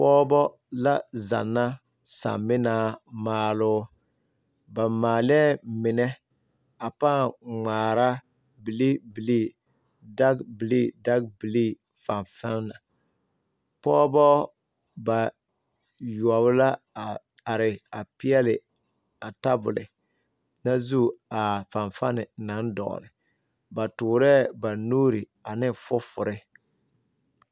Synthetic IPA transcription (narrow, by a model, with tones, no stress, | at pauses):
pɔː˦bɔ˦ | la˦za̰˨nːa˦ | sa̰˨mːɪ˦naː˦maː˦lʊː˦ | ba˨maː˨lɛ˦mɪ˨nɛ˦ | a˨paː˦˨ŋ͡maː˨ɾa˦ | bi˨li˦bi˨li˦˨ | da˦ɡbi˨li˦da˦ɡbi˨li˦ | fa˨ɱfɛ˦lna˨ | pɔ˦bɔ˦ | ba˨ | ju˨ɔ˨βla˦˨ | a˨ɾɪ˨a˨pɪ˦ɛ˦lɪ˨ | a˨ta˦bʊ̰˨lɪ̰˨ | na˦zu˦˨a˨fa˨ɱfa˦nɪ˨na˨˦n˦dɔ̰˨ʔlɪ̰˨ | ba˨tʊː˨ɾɛ˦ba˨nuː˦ɾi˨ | a˨nɪ˦fʊ˦fʊ˨ɾɪ˦